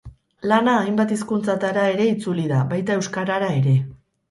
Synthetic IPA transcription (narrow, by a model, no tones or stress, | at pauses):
lanaːjmbat̪iskunt͡sat̪aɾae̞ɾe̞it͡suliðaβajt̪ae̞wskaɾaɾae̞ɾe̞